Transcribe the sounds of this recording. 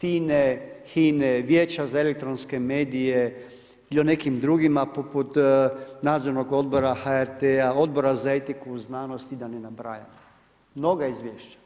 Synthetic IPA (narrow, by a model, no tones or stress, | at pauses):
fiːnexiːneʋjeːt͡ʃazaelek̚t̪ɾonske̞meːd̪ije | ilione̞kimd̪ɾuɡimapoput̪naːd̪zoɾnoɡo̞d̪̚bo̞ɾaxaeɾt̪eao̞d̪bo̞ɾazaet̪ikuznaːnost̪id̪anenabɾa̰ja̰mo | mno̞ɡaizʋjeːʃt͡ʃḁ